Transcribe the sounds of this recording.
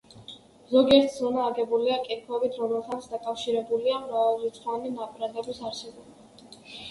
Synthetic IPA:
zɔɡiɛɾt̪ʰzɔnaːɡɛbuliakʼiɾkʰɛbit̪ʰɾɔmɛlˠt̪ʰat̪sʰd̪akʼafʃiɾɛbuliamɾavalˠɾit̪sʰʼχʼwaninapʰʼɾad̪ɛbisaɾsɛbɔbi

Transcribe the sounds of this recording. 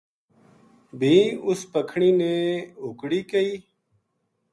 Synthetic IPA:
bʱĩːʊspəkʰɳiːnẽːɦukɽiːkəiː

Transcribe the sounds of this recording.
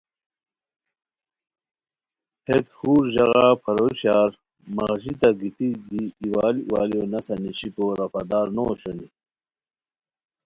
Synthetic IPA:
het̪huːɾʑɐɣapʰɐɾoɕaːɾ | mɐɣʑit̪ɐɡit̪id̪iːwaːliwaːljonɐsɐniɕipoɾɐfɐ̰d̪aːɾnoɕoni

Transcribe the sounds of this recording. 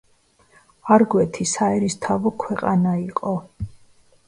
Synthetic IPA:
aɾɡwɛt̪ʰisaɛɾist̪ʰavɔkʰwɛqʼanaiqʼɔ

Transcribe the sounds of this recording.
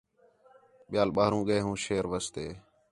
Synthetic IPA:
ɓɪjaːlɓaːɦɾũːɠəeːɦũːʃeːɾʋəst̪eː

